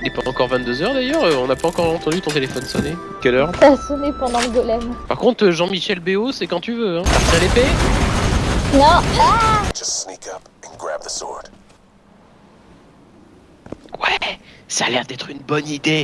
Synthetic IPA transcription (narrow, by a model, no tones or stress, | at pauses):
ynɛpaɑ̃kɔʁvɛ̃t̪d̪øzœʁd̪ajœʁøɔ̃napaɑ̃kɔʁɑ̃t̪ɑ̃d̪yt̪ɔ̃t̪elefɔnsɔne | kʲɛlœːʁt̪asɔnepɑ̃d̪ɑ̃ləɡɔlɛmpaʁkɔ̃t̪χʒɑ̃miʃɛlbeosɛkɑ̃t̪yvøɛ̃taʁt̪iʁlepe | nɔ̃ḁd͡ʒ̥ʌstsnikʰʌp | ə̃nɡɹæ̰b̚ðəsɔ̰ɹd̥ | wɛsalɛʁd̪ɛt̪χynbɔnid̪e